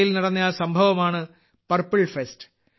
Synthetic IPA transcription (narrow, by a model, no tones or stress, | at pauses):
jilnɐɽɐnːijaːsɐmbʱɐʋɐmaːɳɨ | pɐrpːiɭfestɨ̥